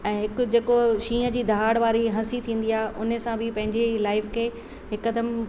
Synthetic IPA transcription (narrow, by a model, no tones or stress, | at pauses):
ɛ̃ːɦɪkʊd͡ʑeːkoʃĩːə̆d͡ʑiːd̪ʱaːɽʋaːɾiɦɐsit̪ʰĩːn̆d̪iaːɦeʔʊnəsãbʱɪpɐ̃ɦɪ̃ɲd͡ʑelaːɪfkʰeː | hɪkːəd̪əm